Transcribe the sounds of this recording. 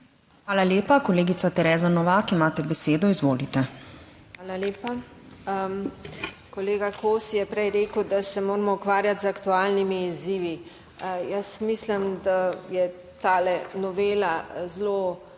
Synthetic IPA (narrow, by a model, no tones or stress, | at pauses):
xʋaːlaljeːpakɔleːɡit̪sat̪ɛɾɛːzanɔʋaːkimaːt̪ɛbɛseːd̪ɔizʋoːlit̪ɛxaːlaljeːpa | kɔleːɡakoːsjɛpɾɛjɾeːkəwd̪asɛmoːɾmɔukʋaːɾjat̪zakt̪uaːlnimiːziːʋi | jəsmislimd̪ajɛ | t̪aːlɛnɔʋeːlazlo